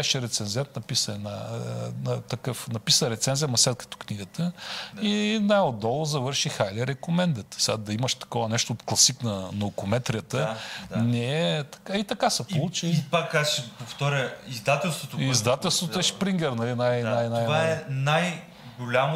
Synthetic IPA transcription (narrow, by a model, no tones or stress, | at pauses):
ɛʃɛɾɛt̪sɛnzɛnt̪nɐpisəɛnanɐt̪ɐkɤfnɐpisəɾɛt̪sɛnzijəmɐslʲɛt̪̚kə̥t̪o̥kniɡət̪əinajod̪ːɔlˠozɐvɤɾʃixajlɛɾɛkomɛnd̪ət̪sad̪ɐiməʃt̪ɐ̥kɔvənɛʃt̪oːt̪klˠɐsiknɐnɐokʊmɛt̪ɾijət̪ənɛɛt̪ɐ̥kait̪ɐkasɛpolˠut͡ʃipakːasʃɛpoft̪ɔɾʲəizd̪at̪ɛlˠst̪vot̪oizd̪at̪ɛlˠst̪vot̪oɛspɾiŋɡʲɛɾnɐlinajnjnajvaɛnaj | ɡolʲam